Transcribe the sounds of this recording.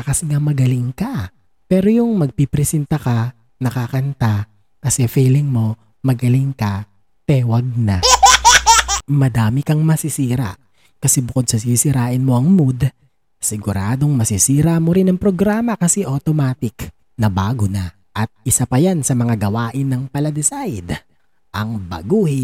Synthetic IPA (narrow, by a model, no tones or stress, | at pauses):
ɐkɐsɪŋamɐɡɐlɪŋkɐ | pɛːɾojʊŋmɐɡ̚pipɾɛsɛnt̪ɐkɐ | nɐkakɐnt̪a | kɐsɛfiːlɪŋmo̞ | mɐɡɐlɪŋkɐ | t̪ɛwɐɡ̚na | mɐd̪aːmɪkɐŋmɐsisiːɾa̰ʔ | kɐsɛbʊkod̪̚sɐsisɪɾaːʔɪnmo̞ʔɐŋmud̪ | sɪɡʊɾaːd̪o̞ŋmɐsisiːɾamo̞ɾɪnɐŋpɾoɡɾaːmɐkɐsɛʔot̪omaːt̪ɪk | nɐbaːɡonɐ | ʔɐt̪̚ʔɪsapɐjansɐmɐŋaɡɐwaːʔɪnːɐŋpɐlɐd̪ɪsajd̪ | ʔɐŋbɐ̰ɡuːhɪ